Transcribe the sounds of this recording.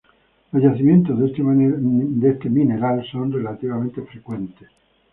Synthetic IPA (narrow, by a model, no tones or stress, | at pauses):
lozʝaθimjẽnt̪ozðe | d̪est̪emineɾalsonrelat̪iβamẽnt̪efɾekwẽnt̪es